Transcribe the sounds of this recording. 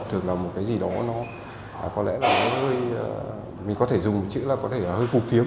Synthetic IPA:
t̪ʰɨ˨˩əŋlaː˨˩mo˨˩t̚kaː˨˦jzi˨˩ɗɔ˨˦nɔ˨˦˨ | kɔ˨˦lɛ̰˧˥laː˨˩kaː˨˦jhəː˧j | mï˨˩ŋ̟kɔ˨˦t̪ʰe˧˩zʊ˨˩ŋ͡mmo˨˩t̚t͡ɕɨ̰˧˥laː˨˩kɔ˨˦t̪ʰe˧˩a˨˩həː˧jku˨˩k̚t̪i˨˦ə

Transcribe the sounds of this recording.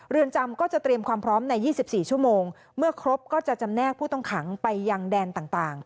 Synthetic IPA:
ɾɯ˧ənt͡ɕa˧mkɔː˥˩t͡ɕa˨˩t̪ɾi˧əmkʰwaː˧mpʰɾɔː˦˥mna˧jːiː˥˩si˨˩p̚siː˨˩t͡ɕʰu˥˩əmoː˧ŋ | mɯ˥˩ɐkʰɾo˦˥p̚kɔː˥˩t͡ɕa˨˩t͡ɕa˧mnɛː˥˩k̚pʰuː˥˩t̪ɔ˥˩ŋkʰa˩˦ŋpa˧jːa˧ŋdɛː˧nt̪aː˨˩ŋt̪aː˨˩ŋ

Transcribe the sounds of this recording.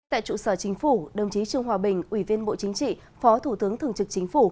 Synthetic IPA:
t̪a̰ː˧˨jt͡ɕṵ˧˨səː˧˩t͡ɕï˨˦ŋ̟fu˧˩ɗə˨˩wŋ͡mt͡ɕi˨˦t͡ɕɨ˧˩əŋɦwaː˨˩ɓï˨˩ŋ̟ʔwi˧˩vi˧ənɓo̰˧˨t͡ɕï˨˦ŋ̟t͡ɕḭ˧˨ | fɔ˨˦t̪ʰu˧˩t̪ɨ˨˦əŋt̪ʰɨ˨˩əŋt͡ɕɨ˨˩k̚t͡ɕï˨˦ŋ̟fu˧˩

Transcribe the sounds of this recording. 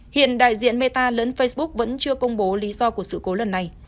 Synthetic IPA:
hḭ˧˨ənɗa̰ː˧˨jzḭ˧˨ənme˧t̪aː˧ləː˨˦nfə˧jsɓʊ˦˥k̚və̰˧˥nt͡ɕɨ˧əkə˧wŋ͡mɓo˨˦li˨˦zɔ˧ku˧˩əksɨ̰˧˨ko˨˦lə˨˩nːa˨˩j

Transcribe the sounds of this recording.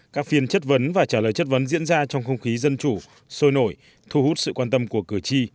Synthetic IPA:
kaː˦˥k̚fi˧ənt͡ɕə˦˥t̚və˨˦nvaː˨˩t͡ɕaː˧˩ləː˨˩jt͡ɕə˦˥t̚və˨˦nzḭ˧˥ənzaː˧t͡ɕɔ˧wŋ͡mxə˧wŋ͡mxi˨˦zə˧nt͡ɕu˧˩ | so˧jno˧˩j | t̪ʰu˧hu˦˥t̚sɨ̰˧˨kwaː˧nt̪ə˧mku˧˩əkɨ˧˩t͡ɕi˧

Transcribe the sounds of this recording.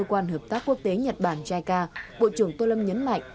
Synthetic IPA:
ə˧kwaː˧nɦəː˨˩p̚t̪aː˦˥kːu˦˥ək̚t̪e˨˦ɲə˨˩t̚ɓaː˧˩nt͡ɕaː˧jkaː˧ɓo̰˧˨t͡ɕɨ˧˩əŋt̪o˧lə˧mɲə˨˦nma̰˧˨jŋ̟

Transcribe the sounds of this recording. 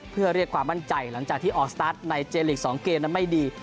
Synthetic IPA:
pʰɯ˥˩ɐɾi˥˩əkʰwaː˧mːa˥˩nt͡ɕa˧jla˩˦ŋt͡ɕaː˨˩k̚t̪ʰiː˥˩ʔɔː˨˩k̚st̪aː˦˥t̪̚na˧jt͡ɕeː˧li˨˩k̚sɔː˩˦ŋkeː˧mna˧ma˥˩jdiː˧

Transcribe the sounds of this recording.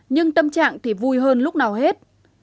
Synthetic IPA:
ɲɨ˧ŋt̪ə˧mt͡ɕa̰ː˧˨ŋt̪ʰi˨˩vu˧jɦəː˧nlʊ˦˥k͡p̚naː˨˩wɦe˦˥t̚

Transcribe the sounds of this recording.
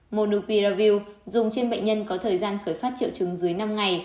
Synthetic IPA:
mo˨˧˩nɗɨ˨˧˩pwi˧zaː˧vi˧wzʊ˨˩ŋ͡mt͡ɕe˧nɓə̰˧˨ŋ̟ɲə˧nkɔ˨˦t̪ʰəː˨˩jzaː˧nxəː˧˩jfaː˦˥t̚t͡ɕḭ˧˨wt͡ɕɨ˨˦ŋzɨ˨˦əjna˧mŋa˨˩j

